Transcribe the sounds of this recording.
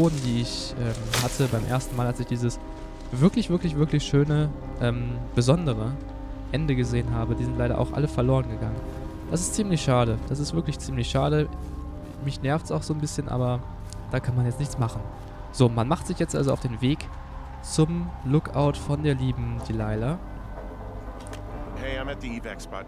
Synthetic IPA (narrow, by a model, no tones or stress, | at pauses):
oːdn̩diːɪçʔɛːmhatʰəbaɪmʔḛːɐstn̩maːlalsɪçd̥iːzəs | v̥ɪɐklɪçv̥ɪɐklɪçv̥ɪɐklɪçʃøːnə | ʔɛːmb̥əzɔndəʁ̞ə | ʔɛndəɡəzeːənɦaːbədiːzɪntlaɪɾɐʔa̰ʊxʔa̰ləfɛɐloːʁ̞ənɡəɡaŋən | d̥asɪstt͡siːmlɪçʃaːɾəd̥as̬ɪstv̥ɪɐklɪçt͡siːmlɪçʃaːɾə | mɪçnɛɐftsaʊxz̥oːnbɪsçənʔa̰ːbɐ | d̥aːkʰanmanjɛt͡stnɪçt͡smaχn̩ | z̥oːmanmaχtz̥ɪçjɛt͡stʔa̰lzoaʊfd̥eːnveːk | t͡sʊmlʊkʔa̰ʊtfɔndeːɐliːbm̩d̥iːlaɪlɐ | heɪãɪ̃mæt̪̚ðiiːvɛksb̥a̰